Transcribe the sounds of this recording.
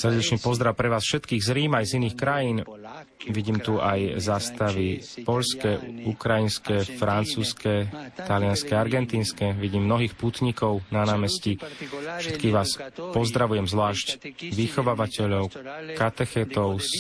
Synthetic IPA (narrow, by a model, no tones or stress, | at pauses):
sr̩ɟɛt͡ʃɲɛpɔzd̪ɾaʊpɾɛʋaːsfʃɛt̪kiːɣzɾiːmajziniːxkɾajiːn | ʋiɟiːmt̪uajzaːst̪aʋipɔʎskɛukɾajinskɛfɾant͡suːskɛt̪alɪanskɛaɾɡɛnt̪iːnskɛʋiɟiːmːnɔɦiːxput̪ɲikɔʊnanaːmɛscifʃɛt̪kiːɣʋaːspɔzd̪ɾaʋujɛmzʋlaːʃcʋixɔʋaːʋacɛʎɔʊkat̪ɛxɛt̪ɔʊs